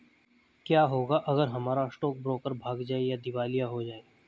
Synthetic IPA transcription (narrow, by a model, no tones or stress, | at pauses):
kjaːɦoːɡaʔɐɡəɾɦɐmaːɾasʈɔːk̚bɾoːkəɾbʱaːɡd͡ʒaːejad̪ɪʋaːlijaɦod͡ʒaːe